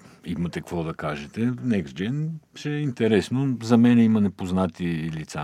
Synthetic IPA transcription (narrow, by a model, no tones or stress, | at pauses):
imɐt̪ɛkvɔd̪ɐkaʒɛt̪ɛnɛksd͡ʒɛnʃɛint̪ɛɾɛsnozɐmɛnɛimɐnɛpoznat̪ilit̪sa